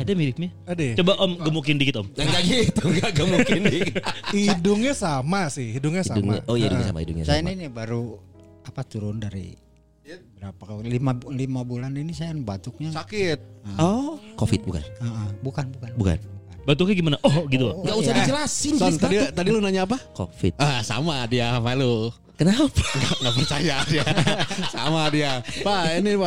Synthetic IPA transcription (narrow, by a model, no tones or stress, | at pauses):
adamilɪk̚ɲaadɛt͡ʃobaʔɔmɡəmukɪndikɪt̪ɔmaŋɡaɡit̪uŋɡaɡəmukndikidʊŋɲasamasɪhidʊŋɲasadʊŋɲa̰ojaidukɲasa̰ma̰ḭdʊ̰ŋɲa̰sajanainibaɾu | apat̪uɾʊndaɾḭ | bəɾapaklimalimabulaninisajnbat̪ʊk̚ɲasakɪt̪̚əɔkofɪt̪̚buka̰nəʔəbukanbukanbuka̰n | bat̪̬ukɲaɡimanaʔɔɡit̪ulŋɡaʔuahdid͡ʒəlasɪnɔnt̪adit̪adilʊnaɲaːp̬ako̰fɪ̰t̪̚ʔasa̰madiamalo | kənapḁŋaŋapərt͡ʃajadiasamadiapainia